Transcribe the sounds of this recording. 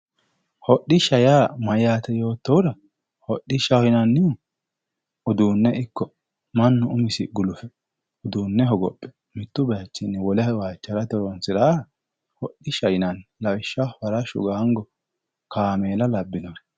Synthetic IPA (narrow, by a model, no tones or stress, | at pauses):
hɔɗːɪʃɐjaːmɐjaːt̪ɛjo̞ːt̪ːɔwɾɐ | hɔɗːɪʃɐhɔjɪnɐnːɪʊ | ʊd̪uːnːɛʔɪkːɔ | mɐnːɔʊmɪsɪɡʊlʊfɛ | ʊd̪uːnːɛɦɔɡɔpʼːɛ̥ | mɪt̪ːʊbɛɐt͡ʃːɪnːɛwɔlɛwaːt͡ʃːɐɾɐt̪ɔɾɔnsɪɾaːɾɐ | hɔɗːɪʃɐjɪnɐnlɐwɪʃːɐfɐɾɐʃʊ̰ɡaːŋɡɔ | kaːmeːlɐlɐbːɪnɔ